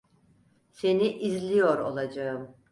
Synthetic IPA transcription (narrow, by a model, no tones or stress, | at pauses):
se̞niʔizlʲijo̞ɾo̞̰lˠad͡ʒaɯm